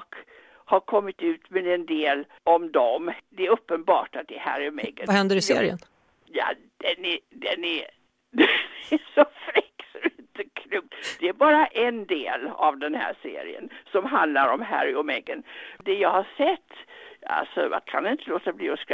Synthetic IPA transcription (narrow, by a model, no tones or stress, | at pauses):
k | haɾkʰɔmːɪt̪ʉ̟ːt̪mɛd̪ɛnd̪eːl | ɔmd̪ɔmd̪ɛæɾɵpːənbɑːʈat̪̚d̪ɛɛhæ̰ɾɪɔmɛ̰ɡəhɛnd̪əɾɪsɾɪə̰n | jɑ̰ | d̪̥ɛnɛd̪ɛnæ | d̪ɛæʂɔfɾɪkːsɔdɛɪnt̪əkʰɾuŋt̪d̪ɛæɾbɑːɾaʔɛnd̪eːla̰vd̪ɛnhæ̰ːʂḛːɾɪ̰ə̰nsɔmɦand̪laɾɔmɦæ̰ɾɔmɛɡənd̪ɛjɑːɡhaʂɛt̪ːa̰lsɔ̰ja̰kʰa̰nɪnt̪əloːt̪abliːɔskɾ